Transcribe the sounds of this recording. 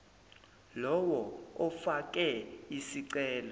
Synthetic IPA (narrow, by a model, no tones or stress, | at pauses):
lɔwɔɔfak̬ʼɛisiǀɛːlɔ